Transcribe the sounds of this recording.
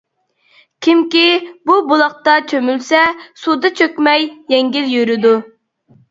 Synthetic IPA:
kʲʰimkʲibubulˠɑq̚t̪ɑt͡ʃʰømylsɛsud̪ɨt͡ʃʰøkʲmɛjːɛŋɡʲiljyɾɪd̪u

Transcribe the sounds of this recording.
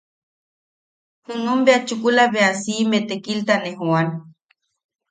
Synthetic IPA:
hɨnumbeat͡ʃukulaβeasimet̪ekilt̪aneɦuan

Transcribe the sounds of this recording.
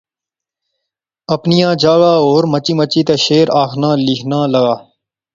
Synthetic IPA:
əpnɪjãːd͡ʒaːɡaːoːɾmət͡ʃiːmət͡ʃiːt̪eːʃeːɾaːkʰnãːliːkʰnãːləɡaː

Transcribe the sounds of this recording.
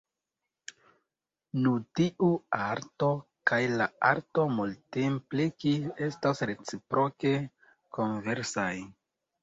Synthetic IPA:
nutiʔuaɾto̞ | kajlaa̰ɾto̞multemplikiestasɾe̞t͡sipɾʔo̞ke̞ | ko̞nve̞ɾsaj

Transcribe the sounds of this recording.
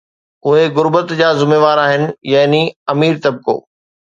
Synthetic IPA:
ʊɦeɣʊɾbət̪d͡ʑaːzʊmeːʋaːɾaːɦɪnɪ̆jaɦniɐmiːɾt̪ɐb̚ko̰ː

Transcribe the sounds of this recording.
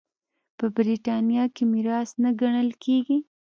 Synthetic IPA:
pəbɾiʈɑnjɑkemiɾɑsnaɡaɳəlkʰeɡi

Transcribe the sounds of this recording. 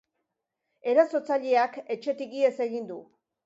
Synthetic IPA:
e̞ɾaso̞t͡saʎeake̞t͡ʃe̞t̪iɣie̞se̞ɣ̞ind̪u

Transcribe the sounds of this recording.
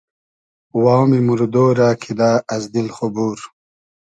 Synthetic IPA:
wawmimuɾd̪oːɾaːkʰid̪aːɐzd̪ilχobuːɾ

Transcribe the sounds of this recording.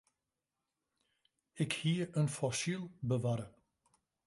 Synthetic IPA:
ɪkhiəənfɔsilˠbəʋaɾə

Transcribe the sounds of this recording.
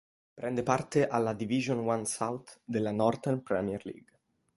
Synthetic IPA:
pɾʔɛnd̪epart̪eʔalːad̪iviʒonwansawt̪d̪elːanɔrt̪ɛnpɾɛmiɛrlḭɡ

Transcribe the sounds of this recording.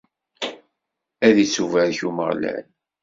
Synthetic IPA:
æðisuvæɾçuməʁlæ̰n

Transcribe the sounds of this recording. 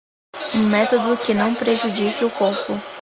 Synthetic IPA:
ũmɛt̪od̪ʊkɪnɐ̃w̃pɾeʒud͡ʒikɪʊkoɾpʊ

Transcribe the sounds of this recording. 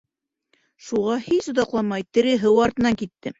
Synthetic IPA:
ʃuʁɑhisŏd̪ɑqlˠɑmɑjt̪ɘ̆ɾɘ̆ɦɤwɑɾt̪ɤ̆nɑŋkit̪ːɘ

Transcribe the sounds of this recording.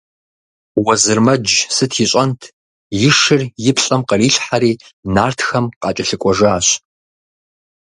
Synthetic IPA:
wɐzɨrmɐd͡ʒsɨtʰjɪɕʼɐntʰ | jɪʂɨrjɪpʰɬʼɐmqɐriːɬħaɾiːnaːrtʰxɐmqɑːt͡ʃʼɐɬɨkʷʼɔʒaːɕ

